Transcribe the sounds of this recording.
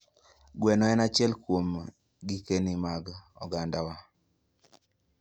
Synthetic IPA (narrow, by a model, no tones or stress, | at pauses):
ɡwɛnɔɛnat͡ʃjɛlkwom | ɡikenimaɡɔ̰ɡandawa